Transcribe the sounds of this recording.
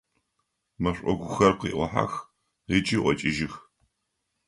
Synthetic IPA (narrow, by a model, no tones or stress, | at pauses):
mɐɕʷʼɔɡʷʊxɐrqḭːʔʷɔħa̰x | rit͡ʃʼiːʔʷɔt͡ʃʼɪʒɪx